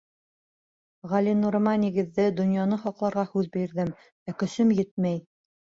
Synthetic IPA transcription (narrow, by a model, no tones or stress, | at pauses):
ʁɑlʲinuɾmɑnʲiɡɘ̆ðːɘd̪ŏnjɑnɤχɑqlˠɑɾʁɑhʉðbiɾðɘm | ækɵ̆sɵmjɘt̪̚mæj